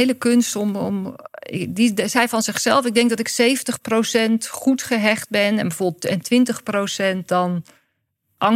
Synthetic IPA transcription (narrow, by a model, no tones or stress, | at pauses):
eləkønstɔmɔ̰m | disɛjvɑnzɪχsɛlˠfɪɡ̚dɛŋk̚dɔtɪksejvəntəχprowsɛntχutχəɦɛχt̚bɛnɛnbəvoːbəl̩ˠtɛntʋɪntəχprowsɛnt̚dɔn | ʔɑŋ